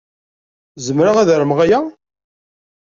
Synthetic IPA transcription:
zəmɾaʁæðɾəmʁæjæ

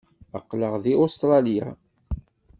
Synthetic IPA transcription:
ə̰qːləʁðiost̪ɾˤɑlja

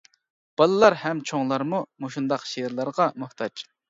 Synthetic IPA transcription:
b̥ɑlˠɨlˠɑɾhɛmt͡ʃʰoŋlˠɑɾmumuʃund̪ɑqʃeɾlˠɑɾʁɑmʊht̪ʰɑd͡ʒ

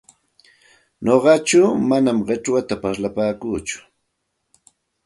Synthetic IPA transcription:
ɲoɢɑt͡ʃawmanamɢeʈ͡ʂwat̪apaɾlapaːkuːt͡ʃʊ̥

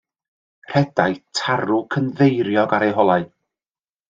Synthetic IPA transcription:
r̥ɛd̥ajtʰaɾʊkʰənðejɾjɔɡaɾejɦɔlˠaɨ

